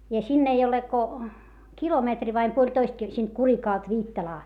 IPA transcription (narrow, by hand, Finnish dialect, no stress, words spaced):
jɑ sinː ei ole ko kilometri ʋɑim puolʲtoist kil siˑnt kurikɑˑlt ʋiːtːɑlɑː